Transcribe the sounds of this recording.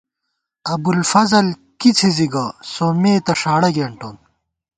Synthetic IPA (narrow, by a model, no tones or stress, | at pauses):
ɐbulfɐzɐlkit͡sʰiziɡɐsoːmeːt̪ɐʂaːɽɐɡeːɳʈoːn